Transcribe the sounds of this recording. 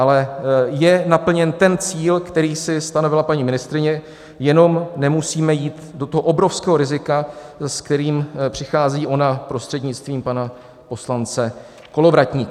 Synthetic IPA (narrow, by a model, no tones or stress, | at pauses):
ʔalɛjɛnapl̩ɲɛnt̪ɛnt͡siːlkt̪ɛɾiːsɪst̪ano̞vɪlapaɲiːmɪnɪst̪ɾɪɲɛ | jɛno̞mnɛmusiːmɛjiːt̪do̞t̪o̞ɦoʔo̞bɾo̞fskɛːɦoɾɪzɪkaskt̪ɛɾiːmpr̝̥ɪxaːziːʔo̞napɾo̞st̪r̥ɛdɲɪt͡st̪viːmpana | po̞slant͡sɛ | ko̞lo̞vɾac̪ɲiː